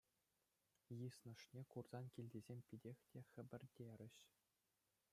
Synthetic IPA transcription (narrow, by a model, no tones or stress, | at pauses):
jɯsnɤ̆ʂnʲekurz̥ɑnkʲilʲdʲezʲemʲpʲidʲexʲtʲexʲɘ̆bʲɘ̆rʲdʲeɾʲɘ̆ɕ